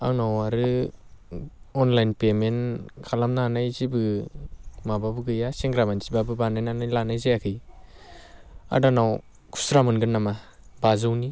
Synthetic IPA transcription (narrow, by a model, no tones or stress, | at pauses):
awnawaɾɯ | ɔnlajnpemenkʰalamnanajzibɯ | mababɯɡɯjaseŋɡɾamansi̥babɯbanajnanajlanajzajakʰɯj | a̰danaw | kʰu̥sɾamɯnɡɯnːama | bazɯwni